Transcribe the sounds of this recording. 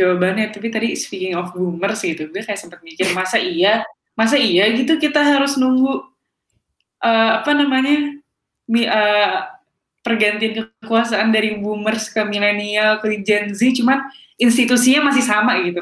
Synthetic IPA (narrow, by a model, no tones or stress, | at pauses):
d͡ʒawabanat̪apit̪adispikɪŋɔfbumərsɡit̪uɡakajaʔsəmpət̪̚mikɪrmasaʔia | mas̬aiaɡit̪ukit̪aɦaɾʊsnuŋɡu | ʔəapanamaɲa | miə | pərɡant̪iankəkuasaʔandaɾibumərskəmilanialkəɾid͡ʒɛnzit͡ʃuman | inst̪it̪usiɲamasɪhsamaɡit̪u